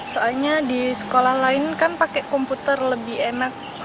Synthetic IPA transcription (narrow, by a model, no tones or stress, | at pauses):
soalɲadisə̥kolahlaɪnkanpakɛʔkɔmput̪ərləbɪhenak̚